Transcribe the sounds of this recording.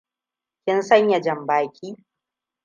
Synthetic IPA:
kʲɪ˦nsɐ˦ɲjɐ˨d͡ʒɐ˨mbaː˨kʲʰiː˦

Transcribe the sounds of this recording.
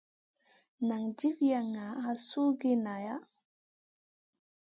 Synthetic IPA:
na˨ŋd͡ʒi˦fja˨ŋa˨a˦su˦ɡi˦na˨ja˦

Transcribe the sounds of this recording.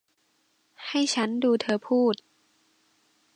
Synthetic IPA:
ha˥˩jt͡ɕʰa˦˥nduː˧t̪ʰɤː˧pʰuː˥˩t̪̚

